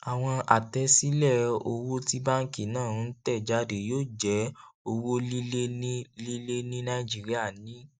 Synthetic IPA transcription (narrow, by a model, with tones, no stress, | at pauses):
a˨w̃ɔ̃˧a˨tɛ˨˦si˦lɛ˦˨o˧wo˦ti˧ba˦ŋ̩˦ki˦˨nãː˦˨˦n̩˦tɛ˦˨d͡ʒa˧˦de˨joː˦˨d͡ʒɛ˨˦o˧wo˦li˦le˦nĩ˦li˦le˦nĩ˦nã˧i˦d͡ʒi˦˨ɾi˦a˦˨nĩ˨˦